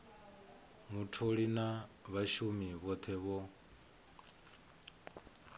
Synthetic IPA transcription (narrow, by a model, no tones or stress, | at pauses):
mutʰoɺinaβaʃumiβɔt̪ʰɛβɔ